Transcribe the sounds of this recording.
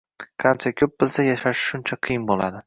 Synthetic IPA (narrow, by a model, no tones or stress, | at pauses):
kʰɑnt͡ʃʰakʲʰɵp̚bɪlsajaʃaʃɪ̥ʃʊnt͡ʃʰaqʰɨjɪnbolad̪ɪ